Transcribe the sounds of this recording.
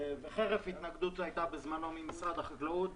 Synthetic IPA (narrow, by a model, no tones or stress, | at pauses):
veχeʁefhit̪naɡd̪ut̪ajt̪abezmano̞mimisʁad̪aχaɡlut̪